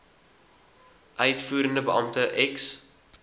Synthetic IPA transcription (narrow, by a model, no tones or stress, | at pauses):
ʔœɥtfuːɾəndəbəʔɐmtəʔɛks